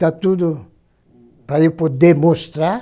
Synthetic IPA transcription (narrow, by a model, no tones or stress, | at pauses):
at̪ud̪ʊ | pɾaewpod̪emost̪ɾa